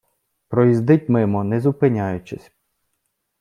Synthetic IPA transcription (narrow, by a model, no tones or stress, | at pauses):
pɾɔjizd̪ɪtʲmɪmɔnɛzʊpɪnʲajʊt͡ʃɛsʲ